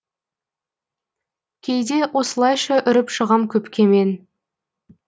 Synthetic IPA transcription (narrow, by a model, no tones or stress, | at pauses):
kʲʰejd̪e̞wʔo̞səlˠɑjʃɑʔʏɾɪpʃəʁɑmkʲʰɵpkʲe̞me̞n